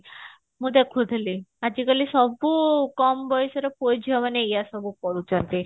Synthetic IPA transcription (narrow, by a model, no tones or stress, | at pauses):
mud̪ekʰud̪ʱliad͡ʑikalisɔbukɔmbɔjsəɾəpojd͡ʑʱɔʋanejasɔbukɔɾut͡sãnt̪i